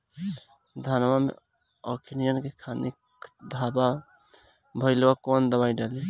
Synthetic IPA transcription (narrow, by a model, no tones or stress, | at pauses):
d̪ʱanmamḛ | ɔkʰinijənkekʰanik | d̪ʱaba | bʱəɪlwakond̪əbajɖeli